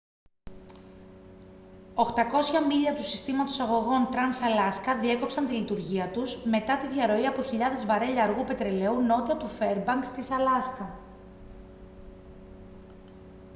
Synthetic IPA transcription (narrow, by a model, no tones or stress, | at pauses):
o̞xt̪ɐko̞sçɐmiʎɐt̪usist̪imɐt̪o̞sɐɣo̞ɣo̞nt̪ɾɐnsɐlɐskɐðie̞ko̞psɐnt̪ilit̪uɾʝiɐt̪uzme̞t̪ɐt̪iðʝɐɾo̞iɐpo̞çiʎɐðezvɐɾe̞ʎɐːɾɣupe̞t̪ɾe̞le̞uno̞t̪iɐt̪ufe̞ɾbɐŋkst̪isɐlɐskɐ